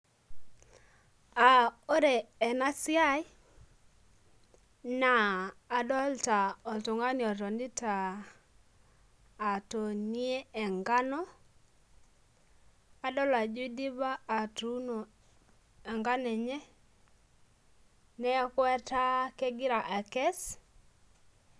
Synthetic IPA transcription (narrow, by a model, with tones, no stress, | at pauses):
a˨o˦ɾɛ˨ɛ˨na˦si˦a˦i˦ | naː˨dɔ˦lta˨ɔ˨lto˨ŋɡa˦ni˨ɔ˨tɔ˨ndi˦ta˨ | to˨ni˦e˦ɛ˨ŋɡa˦nɔ˦ | a˨dɔ˦la˨d͡ʒwi˦di˦ba˦a˨tu˦no˨ | ɛ˨ŋɡa˦nɛ˨ɲɛ˦ | nɛ˦kwɛ˦ta˦kɛ˦ɡɪ˦ɾa˨ʔa˨kɛ˦s